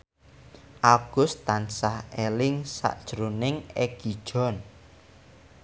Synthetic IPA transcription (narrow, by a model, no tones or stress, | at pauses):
ʔaɡ̥ʊ̤st̪ansahelɪŋsa̰ʔd̥ʒ̥əɾunɪŋeɡ̥id̥ʒ̥ɔ̤n